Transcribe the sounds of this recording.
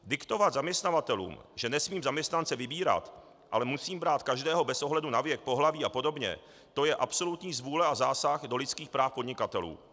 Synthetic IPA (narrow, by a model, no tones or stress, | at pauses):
dɪkt̪o̞vad̪zamɲɛst̪navat̪ɛlṵːmʒɛnɛsmiːmzamɲɛst̪nant͡sɛvɪbiːɾa̰t̪ | ʔa̰lɛmusiːmbɾaːt̪kaʒdɛːɦo̞bɛsʔo̞ɦlɛdunavjɛk̚po̞ɦlaviːapo̞do̞bɲɛ̰ | t̪o̞jɛʔapso̞lut̪ɲiːzvuːlɛazaːsaxdo̞lɪt͡skiːxpɾaːfpo̞dɲɪkat̪ɛlṵː